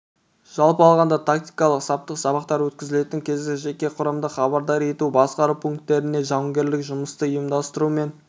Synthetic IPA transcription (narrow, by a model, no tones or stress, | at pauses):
ʒ̥ɑlˠpəɑlˠʁɑnd̪ɑt̪ʰakt̪i̥jkɑlˠəqsɑp̚t̪əqsɑbɑqt̪ɑɾwɵt̪kʲɪzɪle̞t̪ɪŋkʲʰe̞zɡʲɪʒe̞kʲe̞qʰʊɾɑmd̪əχɑβɑɾd̪ɑɾe̞t̪ubɑsqɑɾupʰuŋk̚t̪ːe̞ɾɪne̞ʒɑwəŋɡʲe̞ɾlɪkʒʊməst̪əːjəmd̪ɑst̪əɾume̞n